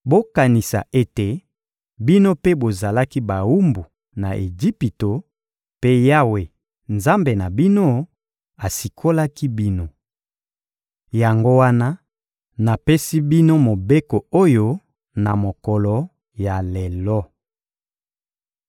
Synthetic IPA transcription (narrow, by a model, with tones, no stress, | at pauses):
bo˦ka˨ni˨sa̰˨ʔe˦te˨ | bi˦no˦pe˦bo˨za˨la˦ki˦ba˨wu˦mbu˨ | na̰˨ʔe˨d͡ʒi˦pi˨to˨ | pe˦ja˦we˨ | nza˦mbe˨na˨bi˦no˦ | a˨si˨kʰo˦la˦ki˦bi˦no˨ | ja˨ŋɡo˦wa˦na˦ | na˨pe˦si˦bi˦no˦mo˨be˦ko˨o˦jo˦ | na˨mo˨kɔ˨lɔ˨ | ja˨le˨lɔ˦